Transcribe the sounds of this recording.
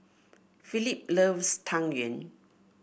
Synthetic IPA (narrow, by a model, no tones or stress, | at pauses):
filip̚ləvstʰãŋjə̃n